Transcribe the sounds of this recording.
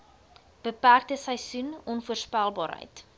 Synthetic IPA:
b̥əpærk̚təsəjsunɔnfuərspælˠbɑ̰ːɾɦə̰jt

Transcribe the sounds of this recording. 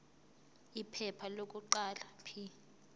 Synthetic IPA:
ipʰɛpʰalok̬ʼuǃalapʰi

